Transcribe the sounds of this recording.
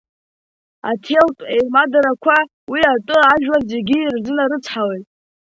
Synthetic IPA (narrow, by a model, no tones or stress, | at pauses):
a̰tʰeltʼejmadaɾakʷʰa | wiatʼɨaʒᶣwaze̞ɡʲiːrzɨnaɾɨt͡sʰħawejtʼ